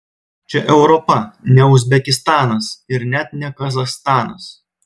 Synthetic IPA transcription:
t͡ʃʲɛʔɛʊɾɔpɐnʲɛʊzʲbʲɛkʲɪst̪ɑːnɐsɪɾnʲɛt̪̚nʲɛkɐzɐxst̪ɑːnɐs

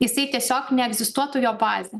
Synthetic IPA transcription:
jɪsɐɪt̪ʲiɛsʲoːknʲɛɛɡzʲɪst̪uɔt̪ʊjoːbɑːzʲɛ

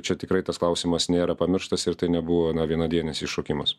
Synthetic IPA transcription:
t͡ʃʲɛt̪ʲɪkɾɐɪt̪ɐsklˠɐʊsʲimɐsnʲeːɾɐpɐmʲɪɾʃt̪ɐsɪɾt̪ɐɪnʲɛbʊʋoːnɐʋʲiɛnɐd̪ʲiɛnʲɛsʲiːʃoːkʲɪmɐs

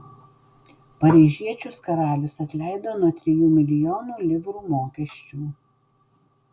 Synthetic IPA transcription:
pɐɾʲiːʒʲiɛt͡ʃʲʊskɐɾɑːlʲʊsɐt̪ʲlʲæˑɪd̪oːnuɔt̪ʲɾʲɛjuːmʲɪlʲɪjɔːnuːlʲɪʋɾuːmoːkʲɛʃʲt͡ʃʲuː

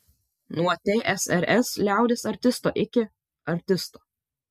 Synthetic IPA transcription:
nuɐt̪ʲeːʔɛsɛɾʔɛslʲæˑʊd̪ʲeːsɐɾʲt̪ʲɪst̪oːʔɪkʲɪ | ɐɾʲt̪ʲɪst̪oː

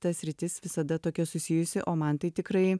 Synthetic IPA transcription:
t̪ɐsʲɾʲɪt̪ʲɪsʋʲɪsɐd̪ɐt̪oːkʲɛsʊsʲiːjʊsʲɪʔoːmɐnt̪ɐɪt̪ʲɪkɾɐɪ

